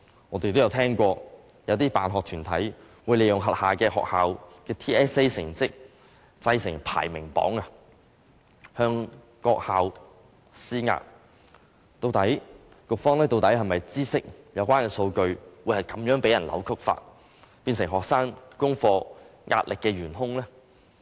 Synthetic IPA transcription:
ŋɔː˨˧t̪e˨jt̪o˥wjɐ˧wt̪ʰɛː˥ŋkʷɔː˧ | jɐ˨˧wt̪iː˥paː˨nɦɔː˨k̚t̪ʰyː˨˩nt̪ʰɐ̰˨˥j | wuː˨˧jle˨˩jʊ˨ŋɦɐ˨t̚haː˨kɛː˧ɦɔ̰ː˨k̚haː˨wkɛː˧t̪ʰiː˥ɛː˥se˥jsɪ̰˨˩ŋt͡sɪ˥k̚ | t͡sɐ˧jsɪ˨˩ŋpʰa̰ː˨˩jmɪ˨˩ŋpɔ̰ː˨˥ŋa˨ | hœː˧ŋ | kɔː˧k̚haː˨w | siː˥˩ŋa̰ː˧t̚ | t̪o˧wt̪ɐ˨˥j | kʊ˨k̚fɔː˥ŋlɛː˥t̪o˧wt̪ɐ˨˥jhɐ˨mɐ˨jt͡siː˥sɪ˥k̚jɐ˨˧wkʷaː˥nkɛː˧so˧wkɵ˧ɥwuː˨˧jhɐ˨˩jkɐ˨˦mjœː˨˥ŋpe˨˥jɐ˨˩nlʔɐ̰˨˧˥wkʰɵ˥k̚fa̰ː˧t̚ | piː˧nsɪ˨˩ŋɦɔː˨ksaː˥ŋkʊ˥ŋfɔː˧ŋʔa̰ː˧t̚lɪ˨kːɛː˧ɥyː˨˩nɦʊ˥ŋlɛː˥

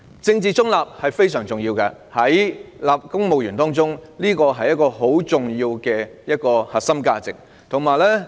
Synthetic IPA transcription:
t͡sɪ˧ŋt͡siː˨˩t͡sʊ˥ŋlaː˨p̚hɐ˨jfe˥jsœː˨˩ŋt͡sʊ˨ŋjiː˧wkɐ˧ | hɐ˨˥jlaː˨p̚kʊ˥ŋmo˨wjyː˨˩nt̪ɔː˥ŋt͡sʊ˥ŋliː˥kɔː˧ɦɐ˨jːɐ˥t̚kːɔː˧ɦo˨˥wt͡sʊ˨ŋjiː˧wkɛː˧jɐ˥t̚kɔː˧hɐ˨t̚sɐ˥mkaː˧t͡sɪ˨k̚ | t̪ʰʊ˨˩ŋmaː˨jlɛː˥

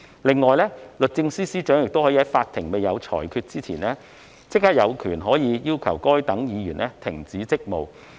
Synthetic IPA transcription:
lɪ˨˧ŋːɔː˨˩jlɛː˥lɵ˨t̚t͡sɪ˧ŋsiː˥siː˥t͡ʃœː˨˥ŋjɪ˨k̚t̪whɔː˨˧˥jiː˧ɐ˨˥jfaː˧t̪ʰɪ˨˩ŋme˨jɐ˨˧wt͡sʰɔ̰ː˨˩jkʰyː˧t̚t͡siː˥t͡sʰḭː˨˩nɛː˥ | t͡sɪ˥k̚hːaː˥jɐ˨˧wkʰyː˨˩nɦɔː˨˥jiː˨˧jiː˥wkʰɐ̰˨˩wkɔː˥jt̪ɐ˨˥ŋjiː˨˧jyː˨˩nʔɛː˥t̪ʰɪ˨˩ŋt͡siː˨˥t͡sɪ˥k̚mo˨w

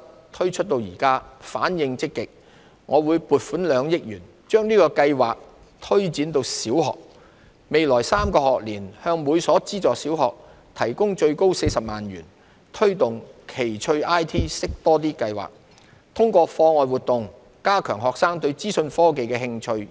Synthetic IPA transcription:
t̪ʰɵ˥ɥt͡ʃʰɵ˥t̚t̪o˧wjiː˨˩kaː˥faː˨˥njɪ˧ŋt͡sɪ˥kːɪ˨k̚ | ŋɔː˨˧wuː˨˧jpuː˨t̚fuː˨˥nlœː˨˧ŋjɪ˥k̚jyː˨˩n | t͡ʃœː˥ŋniː˥kɔː˧kɐ˧jwa̰ː˨k̚ | t̪ʰɵ˥ɥt͡siː˨˥nt̪o˧wsiː˨˥whɔ̰ː˨k̚ | me˨jlɔː˨˩jsaː˥mkɔː˧ɦɔː˨k̚liː˨˩nhœː˧ŋmuː˨˧jsɔː˨˥t͡siː˥t͡sɔː˨siː˨˥wɦɔː˨˩k̚ | t̪ʰɐ˨˩jkʊ˥ŋt͡ʃɵ˧ɥko˥wse˧jsɐ˨p̚maː˨nɥy̰ː˨˩n | t̪ʰɵ˥ɥt̪ʊ˨ŋkʰe˨˩jt͡ʃʰɵ˧ɥʔaː˥jt̪ʰiː˥sɪ˥k̚t̪ɔː˥t̪̬iː˥kɐ˧jwa̰ː˨k̚ | t̪ʰʊ˥ŋkʷɔː˧fɔː˧ŋɔː˨˧jwu˨t̪ːʊ˨ŋ | kaː˥kʰœː˨˩ŋɦɔː˨k̚saː˥ŋt̪ɵ˧ɥt͡siː˥sɵ˧nfɔː˥k̬e˨jkɛː˧ɦɪ˧ŋt͡ʃʰɵ˧ɥ

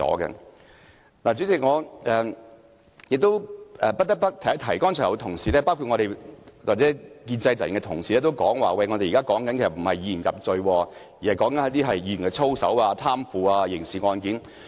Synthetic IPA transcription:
ɔ̰ː˨˥ɡɐ̰˧ | naː˨˩t͡syː˨˥t͡sɪ˨k̚ŋɔː˨˧ʔɛː˨ | jɪ˨k̚t̪o˥wɛː˨pɐ˥ɐ˥pɐ˥t̚t̪ʰɐ˨˩jhtʰɐ˨˩jkɔː˥nt͡ʃʰœː˨˩jɐ˨˧t̪ʰʊ˨˩ŋsiː˨˩lɛː˥paː˥wkʰu˨t̚ŋɔ˧ɾe˨jwaː˨t͡sɛː˨˥kiː˧nt͡sɐ˧jt͡sɐ˨˩jɪ˨˩ŋkɛ˧t̪ʰʊ˨˩ŋsiː˨ɛː˥t̪̬wkɔː˨˥ŋwaː˨wɐ˧jŋɔ˨˧t̪e˨jiː˨kaː˥kɔː˨˥ŋkɐ˦nkʰe˨˩sɐ˨˩m̩˨˩hɐ˨jːiː˨˧˥jiː˨˩jɐ˨p̚t͡sɵ˧ɥwɔː˧ | jiː˨˩hɐ˨jkɔː˨˥ŋkɐ˦nɐ˨˥t̪̬iː˥ɦɐ˨jːiː˨˧˩y˨˩nkɛ˧t͡sʰo˥wsɐ̰˨˥waː˧t̪ʰaː˥mfuː˨˧aː˧jɪ˨˩ŋsiː˨ŋɔː˧nkiː˨˥n

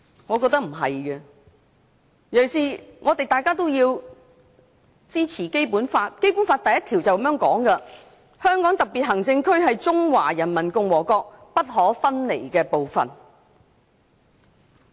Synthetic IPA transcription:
ŋɔː˨˧kɔ˧k̚t̪ɐ˥k̚m̩˨˩ɦɐ̰˨jkɐ˧ | jɐ˨˩wsiː˨ŋɔː˨˧t̪e˨jt̪aː˨jkaː˥t̪o˥wjiː˧w | t͡siː˥t͡sʰiː˨˩ke˥jpuː˨˥nfaː˧t̚ke˥jpu˨˥nfaː˧t̚t̪ɐ˨jɐ˥t̪ʰiː˨˩wt͡sɐ˨wkɐ˦mjœː˨˥ŋkɔː˨˥ŋkɐ˧ | hœː˥ŋkɔː˨˥ŋt̪ɐ˨˩p̚pi˨t̚ɦɐ˨˩ŋt͡sɪ˧ŋkʰɵ˥ɥɦɐ˨jt͡sʊ˥ŋwaː˨˩jɐ˨˩nmɐ˨˩nkʊ˧ŋwɔː˨˩kɔː˧k̚pɐ˥t̚ɦɔː˨˥fɐ˥nle˨˩jkɛː˧po˨wfɐ̰˨n

